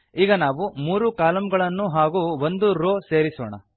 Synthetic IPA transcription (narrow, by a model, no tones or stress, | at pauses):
iːɡɐnaːʋumuːɾukaːlɐmɡɐɭɐnːuɦaːɡuʋond̪uɾoːse̞ːɾisɔːɳɐ̰